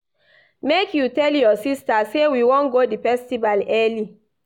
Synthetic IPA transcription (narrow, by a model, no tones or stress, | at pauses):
mekjutɛljɔsistasewiwɔ̃nɡodifɛstivalɛli